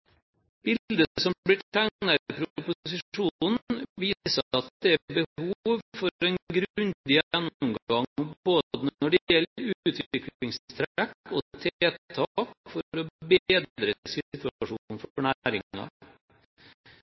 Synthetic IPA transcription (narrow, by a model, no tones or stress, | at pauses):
b̥ɪld̪əsɔmblɪʈænəɾəpʰɾʊʊpʊsɪunn̩ʋiːsəɑt̪̚d̪ɛæbəhhuːuːʋfɔɾɛnɡɾʉnd̪ɪəjænːɔmɡɑŋboːd̪ənnɔɖɛjɛlːɾʉt̪ːt̪ʰʋɪkllɪŋst̪ʰɾækɔt̪ʰeːt̪ʰɑkfɔɾɔbeːd̪ɾəsɪt̪ʉʂuːnn̩fɔɳæɾɪ̰ŋɑ̰